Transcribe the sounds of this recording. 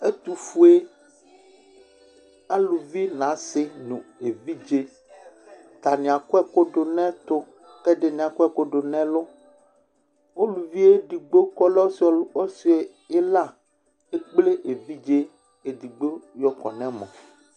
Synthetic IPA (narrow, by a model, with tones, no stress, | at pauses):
e˦t̪u˨fu˦e˦ | a˦lu˨vi˦nã˨˦sɪ˦nũ˨e˨vi˦d͡ʒe˦ | t̪a˨nĩ˨a˨kɔ˦ɛ˦ko˦ɖo˨nɛ̃˦t̪ʊ˦ | kɛ˦ɖe˨nĩ˨a˨kɔ˦ɛ˦ko˦ɖo˨nɛ̃˦lʊ˦ | wo˦lu˨vi˦e˦ɖi˨ɡ͡bo˦kɔ˦lɛ˦o˦sɔ˦si˨˦e˨ | e˦la˦ | e˦k͡ple˦ʔe˨vi˦d͡ʒe˦ | e˨d̪i˨ɡ͡bo˦jɔ˨kɔ̰˨nɛ̃˦mɔ̰̃˨